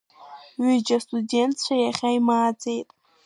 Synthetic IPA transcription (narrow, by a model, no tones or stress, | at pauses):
ɥid͡ʒastʼude̞ntʰt͡ɕʷʰajaχʲaimaːd͡ze̞jtʼ